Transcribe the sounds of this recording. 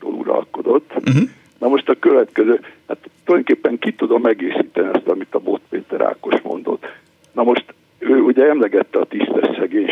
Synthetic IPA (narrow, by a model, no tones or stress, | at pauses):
t̪o̰ːlṵɾɒ̰lko̞d̪o̞t̪ː | nɒmo̞ʃt̪ɒkøvɛt̪kɛzøːhat̪ːolɒj̪okeːpːɛŋkit̪ud̪omɛɡeːsiːt̪ɛniɒst̪ɒmit̪ɒbo̞t̪peːt̪ɛɾa̰ːko̞ʃmo̞̰n̪d̪o̞̰t̪ː | nɒmo̞ʃt̪ | øːuɟɛɛmlɛɡɛt̪ːɛɒt̪ist̪ɛʃsɛɡeːɲ